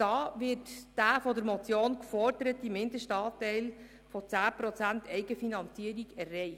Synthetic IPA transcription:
d̥ɑːʋɪtd̥æːfɔdəɾmɔt͡sjoːnkfɔrd̥əɾət̪imɪndəʃtɑːtːɛɪl | fɔt͡sæːpɾɔt͡sæntʰɛɪɡəfinɑnt͡siəɾiɡɛrːɛɪχ

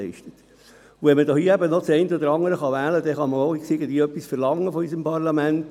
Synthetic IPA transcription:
ɛɪʃtət̪ | uʋɛnmədoiəæbənɔt͡sɛɪntəɔd̪əɾɑŋəɾəχɑʋæːləd̥̪ɛχɑməoiksiəɡən̩d̪iːœpːisfəɾlɑŋːəfɔys̬əmpʰɑʁlɑmænt

